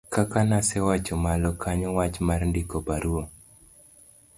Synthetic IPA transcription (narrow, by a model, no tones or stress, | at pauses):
kakanasɛwat͡ʃɔmalɔkʰaɲɔwat͡ʃmarndikɔpaɾuo